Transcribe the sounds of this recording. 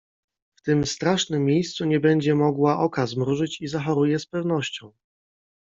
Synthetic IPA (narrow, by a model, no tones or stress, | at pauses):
ft̪ɘmst̪ɾaʂnɘmʲːjejst̪suɲɛbɛɲd͡ʑɛmɔɡwaʔɔkazmɾuʐɘt͡ɕizaxɔɾujɛspɛvn̪ɔɕt͡ɕɔ̃w̃